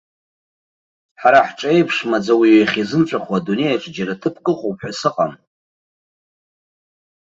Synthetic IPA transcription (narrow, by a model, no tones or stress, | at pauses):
ħaɾaħʈ͡ʂʼejpʰʂmad͡zawiweχʲizɨmʈ͡ʂʷʼaχʷwadune̞jaʈ͡ʂʼd͡ʒaɾatʰɨpʰkʼɨχʷʼopʰħasɨqʼam